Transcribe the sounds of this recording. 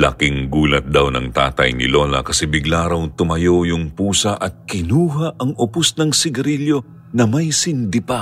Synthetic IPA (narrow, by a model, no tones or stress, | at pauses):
la̰kɪŋɡuːlɐt̪̚d̪awnɐ̰ŋt̪a̰ːt̪ɐ̰jnɪ̰lo̞nɐ̰kɐsɛbɪɡlaɾɐwt̪ʊmɐjojʊŋpuːsɐʔɐt̪̚kɪnuːɦɐʔɐŋʊpʊsnɐŋsɪɡɐɾiljo̞ | nɐmɐjsɪnd̪ɪpa